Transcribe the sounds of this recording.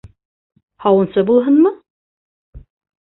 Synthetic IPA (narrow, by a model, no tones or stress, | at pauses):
hɑwɤ̆nsɤbulˠɦɤnmɤ